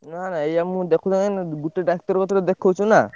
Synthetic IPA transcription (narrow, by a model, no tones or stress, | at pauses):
nanaejamud̪ekʰud̪aŋnɡuʈeɖak̚tɔɾkɔt̪ɔɾed̪ekʰːot͡ʃʰuna